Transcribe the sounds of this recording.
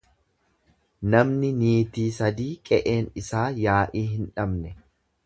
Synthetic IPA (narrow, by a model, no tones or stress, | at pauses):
nɐmnɪniːt̪iːsɐd̪iːkʼɛʔe̞ːnɪsaːjaːʔiːɦɪnᶑɐbnɛ